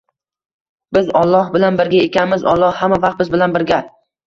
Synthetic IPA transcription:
bɪzɒlˠːɒhbɪlanbɪɾɡʲaekʲanmɪzɒ̰lˠːɒhhamavaqt̪̚bɪzbɪlanbɪɾɡʲa

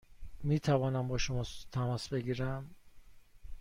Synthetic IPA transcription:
miːt̪ʰævɒːnæmbɒːʃomɒːt̪ʰæmɒːsbe̞ɡiːɾæm

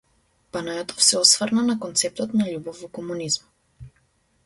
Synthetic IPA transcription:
b̥anajɔt̪ʰɔ̥fsɛɔsvəɾnanakɔnt̪sɛp̚t̪ɔt̪naʎubɔvɔkɔmunizm

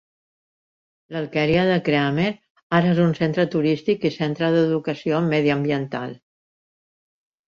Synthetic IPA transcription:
ləlkɛɾiaðəkɾeameɾ | aɾəezunsent̪ɾət̪uɾist̪ikisent̪ɾəðəðukəsiomɛðiəmbiənt̪a̰lˠ

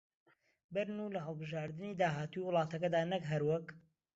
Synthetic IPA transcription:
bɨɾnulɐɦəlˠbɨʒaːɾd̪ɨniːd̪aːɦaːt̪ujwʊlˠɑːt̪ɐkɐd̪aːnɐkɦɐɾwɐk

